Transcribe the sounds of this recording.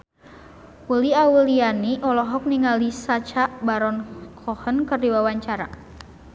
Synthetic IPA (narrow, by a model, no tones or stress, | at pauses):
wəliawəlianiʔɔlɔɦɔk̚niŋalisat͡ʃaʔbaɾɔnkʰɔhənkərdiwawaɲt͡ʃaɾa̰